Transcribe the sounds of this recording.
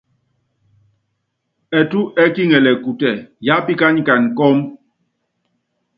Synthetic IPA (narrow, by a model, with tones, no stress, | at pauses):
ɛ˨tu˦ʔɛ˦ki˦ŋɛ˨lɛ˨ku˨tɛ˨ja˦pi˦ka˦n˦ka˨n˨kɔ˦m